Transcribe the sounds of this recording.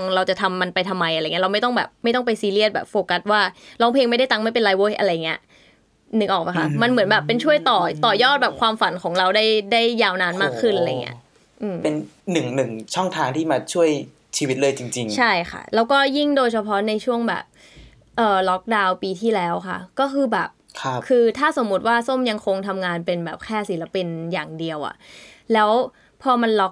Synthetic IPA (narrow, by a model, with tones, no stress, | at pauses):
ŋɾa˧wt͡ɕa˨˩t̪ʰa˧mːa˧npa˧jt̪ʰa˧mːa˧jʔa˧˨ŋi˦˥ɾa˧wma˥˩jt̪ɔ˥˩ŋbɛ̰ː˨˩p̚ma˥˩jt̪ɔ˥˩ŋpa˧jsiː˧li˥˩ət̪̚bɛ̰ː˨˩p̚foː˧ka˧˦˥t̪̚waː˥˩laː˧wpʰe˧ŋma˥˩jda˥˩jt̪a˧ŋma˥˩jp̬e˧nlaː˧jwoː˦˥ʔa̰˧ɾa˧jːa˨˩ŋːi˦˥ɐʔ | nɯ˨˦˥k̚ʔɔː˨˩pa˧jxʰa˦˥ma˧nmɯ˩˦nbɛː˨˩pːe˧nt͡ɕʰu˥˩əjt̪ɔː˨˩t̪ɔː˨˩jɔː˥˩t̪̚bɛː˨˩p̚kʰwaː˧mfa˨˩˦nkʰɔː˩˦ŋɾa˧wdaː˥˩jda˥˩jːaː˧wnaː˧nmaː˥˩kʰːɯ˥˩nʔa˧a˧jŋḭ˦ɐ˥ | ʔɯː˧mpe˧n | nɯ˨˩ŋnɯ˨˩ŋt͡ɕʰɔ˥˩ŋt̪ʰaː˧ŋt̪ʰiː˥˩maː˧t͡ɕʰu˥˩əj | t͡ɕʰiː˧wi˦˥lɤː˥˩˨jt͡ɕi˧ŋt͡ɕi˧ŋt͡ɕʰa˥˩jxʰa̰˥˩lɛː˦˥wkɔː˥˩ji˥˩ŋdoː˧jt͡ɕʰa˧pʰɔ˦˥na˧jt͡ɕʰu˥˩əŋbɛ̰ː˨˩p̚ | ʔɤː˨˩lɔ˦˥k̚daː˧wpiː˧t̪ʰiː˥˩lɛː˦˥wkʰa̰˥˩kɔː˥˩kʰɯː˧bɛː˨˩p̚kʰa˦˧˥kʰɯː˧t̪ʰaː˥˩so˩˦mːu˦t̪̚waː˥˩so˥˩mja˧ŋkʰo˧ŋt̪ʰa˧mŋaː˧npe˧nbɛː˨˩p̚kʰɛː˥˩si˨˩˦la˧pi˧njaː˨˩ŋdi˧əwʔa̰˨˩ʔ | lɛː˦˥w | pʰɔː˧ma˧nlɔ˦˥k̚